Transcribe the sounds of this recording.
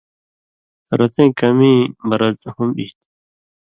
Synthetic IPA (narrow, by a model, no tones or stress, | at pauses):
ɾɐt̪ʰẽːkɐmĩːmɐɾɐzhumbḭt̪